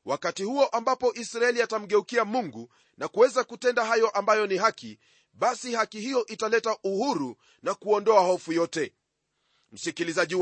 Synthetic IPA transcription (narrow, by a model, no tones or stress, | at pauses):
wakatihuɔʔambapɔʔisɾaɛliatam̩ɠɛukiamuŋɡu | nakuwɛzakutɛndaɦajɔʔambajɔniɦaki | ɓasihakihijɔʔitalɛtaʔuhuɾu | nakuɔndɔahɔfujɔtɛ | m̩sikilizaʄi